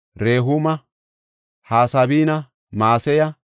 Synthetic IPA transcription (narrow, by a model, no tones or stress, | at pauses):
ɾeːɦʊmɐ | haːsɐbiːnɐ | maːsɛjɐ